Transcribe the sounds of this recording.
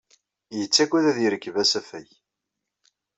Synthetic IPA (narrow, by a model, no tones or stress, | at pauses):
jət͡sːækʷːæðæðiɾəkːvæsæfæj